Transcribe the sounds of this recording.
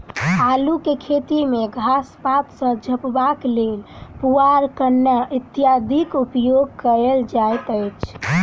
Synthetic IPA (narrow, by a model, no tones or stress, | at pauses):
alukekʰet̪imeɡʱaspat̪sə̃d͡ʒʱəpbaklelpuaɾkənːəʔit̪ijad̪ʱikupjoɡ̚kəɾeld͡ʒajt̪əjt͡ʃʰ